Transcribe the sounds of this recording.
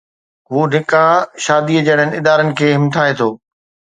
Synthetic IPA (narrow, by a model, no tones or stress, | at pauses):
ɦuːnɪkãʃaːd̪iəd͡ʑɐɽənɪ̆ɪd̪aːɾənɪ̆kʰeːɦɪmt̪ʰaːɦet̪ʰoː